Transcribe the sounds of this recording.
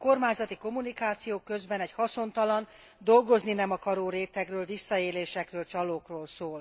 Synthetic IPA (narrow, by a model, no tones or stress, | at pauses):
ko̞rmaːɲzɒt̪iko̞munikaːt̪sijoːkːøzbɛnɛchɒso̞nt̪ɒlɒn | d̪o̞lɡo̞zninɛmɒkɒɾoːɾeːt̪ɛkrøːlvisːɒeːleːʃɛkrøːlt͡ʃɒloːkroːlsoːl